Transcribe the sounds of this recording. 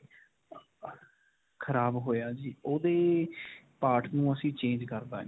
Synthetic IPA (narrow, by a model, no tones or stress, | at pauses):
kʰəɾaːbɦoːjaːd͡ʒiːoːd̪eː | paːʈnũːəsĩːt͡ʃẽːnd͡ʒkəɾd̪aː